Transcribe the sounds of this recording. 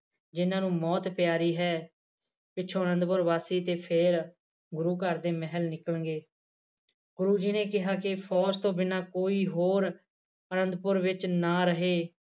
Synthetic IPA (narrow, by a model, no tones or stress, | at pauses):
d͡ʒɪnãːnũːmɔːt̪pɪjaːɾiːɦɛː | pɪːt͡ʃʰõːənə̃nd̪pʊɾʋaːsiːt̪eːpʰeɾ | ɡʊɾuːkəɾd̪eːmɛɦəlnɪkələŋɡeː | ɡʊɾuːd͡ʒiːneːkɪɦaːkɪpʰɔːst̪õːbɪnaːkoːiːɦoːɾ | ənə̃nd̪pʊɾʋɪt͡ʃnaːɾəɦeː